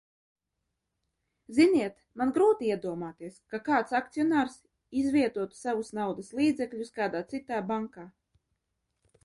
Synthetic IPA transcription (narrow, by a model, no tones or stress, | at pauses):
zinʲiɛt̪manɡɾuːt̪iiɛd̪uɔmaːt̪iːɛskakaːt̪sak̚t̪sijɔnaːɾs | izvʲiɛt̪uɔt̪u̥savusnawd̪aslˠiːd̪zɛkʎʲuskaːd̪aːt̪sit̪aːbaŋkaː